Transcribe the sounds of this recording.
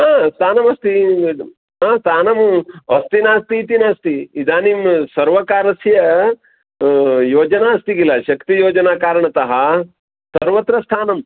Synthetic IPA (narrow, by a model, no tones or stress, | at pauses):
ɦaːst̪ʰaːnɐmɐst̪i | ɦaːst̪ʰaːnɐmɐst̪inaːst̪iːt̪inaːst̪iid̪aːnimsɐɾʋɐkaːɾɐsjɐ | joːd͡ʒɐnaːɐst̪iɡilɐʃɐkt̪ijoːd͡ʒɐnaːkaːɾɐɳ̃ɐt̪ɐɦɐ | sɐɾʋɐt̪ɾɐst̪ʰaːnɐm